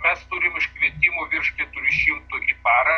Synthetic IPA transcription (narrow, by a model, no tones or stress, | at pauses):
mʲɛst̪ʊɾʲɪmɪʃʲkʋʲiɛt̪ʲiːmoːʋʲɪɾʃkʲɪt̪uːɪʃʲɪmt̪ʊʔipɑːɾɐ